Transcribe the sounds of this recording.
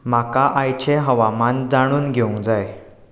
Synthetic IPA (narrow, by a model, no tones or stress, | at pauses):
makaʔajt͡ɕeɦəʋamand͡zaɽ̃uːnɡʱeũŋɡd͡zaj